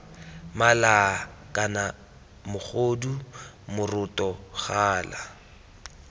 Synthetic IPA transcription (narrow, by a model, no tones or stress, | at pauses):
malakʼana | mʊχʰodu | mʊrʊtɔχaːla